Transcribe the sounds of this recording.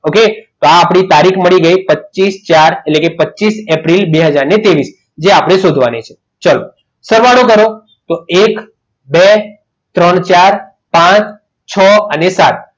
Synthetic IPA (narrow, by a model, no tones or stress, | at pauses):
oket̪oaːpɽ̃it̪aɾikʰməɭiɡəjpətːt͡ʃist͡ʃaɾetlekepətːʃisepɾilbeɦəd͡ʒaɾnet̪eʋis | d͡ʒeapɽ̃eʃod̪ʱʋanet͡ʃʰe̥ | t͡ʃalo | səɾʋaɽokəɾo | t̪oek | be | t̪ɾəɳt͡ʃaɾ | pãt͡ʃ | t͡ʃʰəənesat̪̚